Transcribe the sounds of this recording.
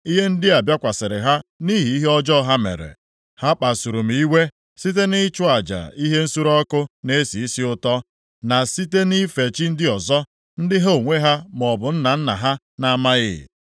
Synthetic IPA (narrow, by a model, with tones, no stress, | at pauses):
i˦ɦe˦n̩˦dɪ˦a˨bja˦kʷa˨sɪ˨ɾɪ̰˨ɦa˦ni˦ɦi˨i˦ɦe˦ɔ˦d͡ʒɔ˦ɦa˦mḛ˨ɾḛ˨ | ha˦k͡pa˨su˨ɾu˨m̩˨i˦we˦ | si˦te˦nɪ˦t͡ʃʊ˦a˨d͡ʒa̰˨i˦ɦe˦n̩˦su˦ɾɔ˦kʊ˦ne˦si˨i˦si˦ʊ˦tɔ˦ | na˨si˦te˦ni˦fe˨t͡ʃi˦n̩˦dɪ˦ɔ˨zɔ˦ | n̩˦dɪ˦ɦo˦o˨ŋʷe˦ɦa˦m˨ɔ˨bʊ˨n̩˦na˨n̩˦na̰˨ɦa˦ | na˦ma˦ɣɪ̰˦˨